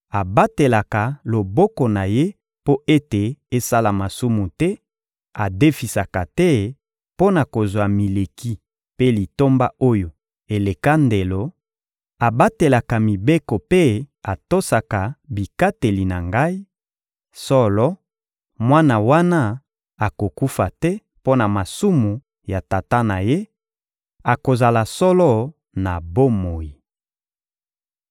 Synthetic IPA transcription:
a˨ba˦te˨la˨ka˨lo˨bɔ˦ko˨na˨je˦ | po˦ʔe˦te˨e˦sa˦la˨ma˨su˦mu˨tɛ˦ | a˨de˦fi˨sa˨ka˨tɛ˦ | po˦na˨ko˨zwa˨mi˨le˨ki˦ | pe˦li˨to˦mba˦o˦jo˨ | e˨le˨ka˦nde˨lo˨ | a˨ba˦te˨la˨ka˨mi˨be˦ko˨pe˦a˨to˦sa˨ka˨bi˨ka˦te˨li˨na˨ŋɡa˦i˦ | sɔ˦lɔ˦ | mwa˦na˨wa˦na˦ | a˨ko˨ku˦fa˨tɛ˦ | po˦na˨ma˨su˦mu˨ | ja˨ta˨ta˦na˨je˦ | a˨ko˨za˨la˨sɔ˦lɔ˦ | na˨bo˦mo˨ji˨

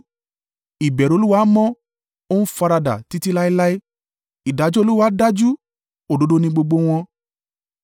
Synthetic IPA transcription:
i˨bɛ˨ɾo˧lu˦wa˦mɔ̃˦ | o˦ñ̩˦fa˧ɾa˧da̰˨ti˨˧ti˦la˦i˦la˦i˦ | i˨da˨˧˦d͡ʒo˦˧lu˦wa˨˦da˦d͡ʒu˦ | o˨do˨˦do˦nĩ˧ɡ͡bo˧ɡ͡bo˧w̃ɔ̃˧

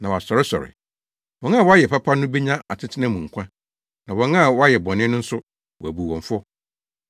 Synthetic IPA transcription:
nã˨wa˨sɔ˨ɾɪ˦sɔ̰˨ɾɪ̰˨ | wɔ̃˨˦n˦ã˦˨wɔ˦a˦jɛ˨pʰa˦pʰa˦nʊ̃˦be˦ɲã˦a˨tʰɪ˦tʰɪ˦nã˦mũ˨ŋ̩˨kʷʰã˦ | nã˨wɔ̃˨˦nã˦˨wɔ˦a˦jɛ˨bɔ̃˨nɪ̃˦nʊ̃˦n̩˦sʊ˦ | wɔ˨æ˨bu˨wɔ̃˨ɱ˨fʊ˦ɔ˦

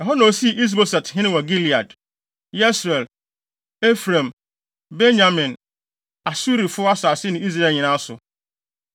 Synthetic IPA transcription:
ja˨ɦɔ˦nã˨o˨si˦˨ʔi˦s̬bo˦sa˨thɪ̃˦nɪ̃˦wa˨ɡi˦li˨a˨d | jɛ˦sɾɛ˨l | e˦fɾã˨m | be˦na˨mɪ̃˨n | a˨su˦ɾi˨fʊ˦a˦sʊ˨a˨sɪ˦nɪ̃˨˦i˦s̬ɾe˨ɲĩ˨nã˦sʊ˨

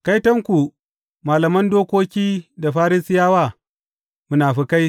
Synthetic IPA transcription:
ka˦jtɐ˦ŋkʷu˨ | maː˨lɐ˨mɐ˦ndoː˦kʷoː˦kʲiː˦da˨ɸaː˦ɾɪ˦sɪ˦jaː˦waː˦˨ | mʊ˦naː˨ɸi˦ka˦j

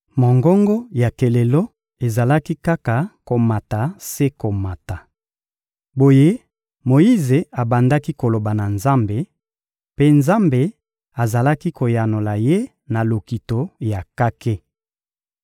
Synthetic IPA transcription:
mo˨ŋɡɔ˦ŋɡɔ˦ja˨ke˨le˨lo˦ | e˨za˨la˦ki˦ka˦ka˨ko˨ma˨ta˨se˦ko˨ma˨ta˨ | bo˨je˦ | mo˨ji˦ze˨a˨ba˨nda˦ki˦ko˨lo˨ba˨na˨nza˦mbe˨ | pe˦nza˦mbe˨ | a˨za˨la˦ki˦ko˨ja˨no˨la˨je˦ | na˨lo˨ki˨to˦ja˨ka˦ke˦

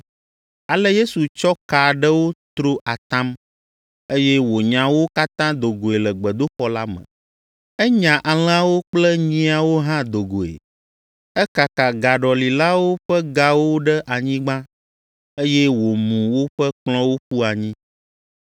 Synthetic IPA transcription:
a˨lɛ˦je˦su˨t͡ʃɔ˦ka˨ɖə˦wo˦t̪ɾo˦ʔa˨t̪ã˦m | e˦jɛ˦wo˨ɲã˨wo˦ka˦t̪ã˦d̪o˨ɡo˨e˨lɛ˨ɡ͡bə˨d̪o˦ɸɔ˦la˦mə̰̃˨ | ɛ˦ɲã˨ʔa˨l̃a˦wo˦k͡plɛ˦ɲĩ˦a˨wo˦ɦã˦d̪o˨ɡo˨ḛ˨ | ɛ˦ka˨ka˨ɡa˨ɖɔ˨li˨la˦wo˦ɸɛ˦ɡa˦wo˦ɖɛ˦ʔa˨ɲĩ˦ɡ͡bã˦ | e˦jɛ˦wo˨mũ˨wo˦ɸɛ˦k͡plɔ̃˦wo˦ɸu˦a˨ɲĩ˦

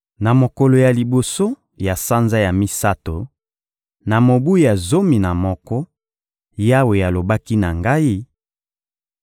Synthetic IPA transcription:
na˨mo˨kɔ˨lo˨ja˨li˨bo˨so˦ | ja˨sa˦nza˦ja˨mi˦sa˦to˨ | na˨mo˨bu˦a˨zo˦mi˨na˨mɔ˦kɔ˦ | ja˦we˨ja˨lo˨ba˦ki˦na˨ŋɡa˦i˦

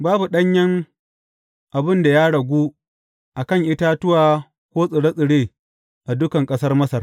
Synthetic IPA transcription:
baː˦bu˨ɗɐ˦ɲjɐ˦ŋ | ʔa˨bɪ˦nda˨ja˦ɽɐ˨ɡʷuː˦ | ʔa˨kɐ˦˨ŋʔɪ˦ta˦tʊ˦waː˨ | kʷoː˦sʼɪ˨ɽɐ˦sʼɪ˨ɽeː˦ | ʔa˨dʊ˦kɐ˨ŋkʼɐ˦sɐ˦rmɐ˦sɐ˨r

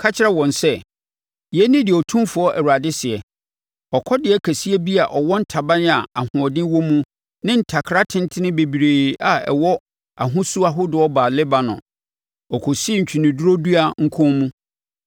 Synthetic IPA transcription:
kʰa˦t͡ɕʰɪ˦ɾɛ˦wɔ̃˨nsɛ˦ | jɛ˦nɪ̃˦dɪ˨ɔ˨tʰũ˦mfʊ˨ɔ˦ʔɛ˨wu˨a˨dɪ˦sɪ˨ɛ˨ | ɔ˨kʰɔ˦dɪ˨ɛ˦kʰæ˨si˦e˦bi˦a˨ʔɔ˨wɔ̃˦n̩˦tʰa˨bã˦nɪ̃˦a˨a˨hʊ̃˨ɔ˨dɪ̃˦wɔ̃˦mũ˦ | nɪ̃˦n̩˦tʰa˨kʰɾa˦tʰɪ̃˦n˦tʰɪ˦nɪ̃˦be˨bi˨ɾeː˨a˨ɛ̰˨wɔ˦ | a̰˨ɦʊ̃˦su˦a˦ɦʊ˦dʊ˨ɔ˦baː˨lɪ˦ba˨nʊ̰̃˨ | ɔ˨kʰɔ˨si˦ɲ̩˨t͡ɕʰᶣi˨nɪ̃˨du˦ɾo˦du˦a˨ŋ̩˦kʰɔ̃˦mũ˦

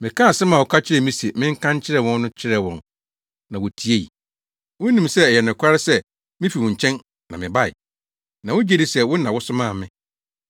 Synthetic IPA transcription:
mɪ̃˨kʰã˦˨sɛ˦mã˨wʊ˨kʰa˦t͡ɕʰɪ˦ɾɛ˨mĩ˦se˨mɪ̃˦ŋ̩˦kʰã˦ɲ˦t͡ɕʰɪ˦ɾɛ˨wɔ̃˦nːʊ̃˦t͡ɕʰɪ˦ɾɛ˦˨wɔ̰̃˨n | nã˨wɔ˨tʰi˦e˦ḭ˨ | wʊ̃˦nĩ˨msɛ˦˨jɛ˨nʊ̃˨kʷʰa˦ɾɪ˦sɛ˦ | mɪ̃˦fi˨wɔ̃˨ɲ̩˨t͡ɕʰɛ̃˦n | nã˨mɪ̃˨ba˦˨ɪ̰˨ | nã˨wʊ˦d͡ʑe˦˨di˦sɛ˦wʊ˦nã˨wʊ˦sʊ˦mãː˦˨mɪ̃˦

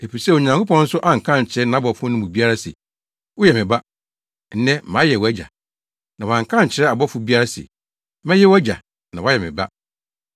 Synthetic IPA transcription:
e˨pi˨sɛ˦wo˨ɲã˨ŋkʰo˦pɔ̃˦n̩˦sʊ˦ʔã˦ŋ̩˨kʰã˦ɲ˨t͡ɕʰɪ˨ɾɛ˦nã˨˦bɔ˨fʊ̃˦nʊ̃˦mʊ̃˨bi˦a˦ɾa˦sɛ̰˨ | wɔ˦jɛ˨mɪ̃˨ba˦ | n̩˨nɛ̃˦mã˨˦jɛ˨wæ˦d͡ʑa̰˨ | nã˨wã˨ŋ̩˨kʰã˦ɲ˨t͡ɕʰɪ˨ɾɛ˦a˨bɔ˦fʊ˦bi˦a˦ɾa˦sɛ̰˨ | mɛ̃˦jɛ˦wæ˦d͡ʑa̰˨ | nã˨wa˦jɛ˨mɪ̃˨ba˦

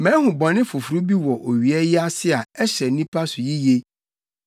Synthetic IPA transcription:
mɛ̃˨˦hũ˨bɔ̃˨nɪ̃˦fʊ˨fu˨ɾu˦bi˦wɔ˨ʔo˨ɥi˨ɛ˦ji˦a˦sɪ˦a˨ɛ˦ɕɛ˨nĩ˦pʰa˦sʊ˨ji˦je˦

